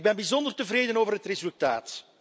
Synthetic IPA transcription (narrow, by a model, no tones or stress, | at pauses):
ɡ̚bɛnbizɔndərtəvreːdənoːvərɦətrezʉlˠtaːt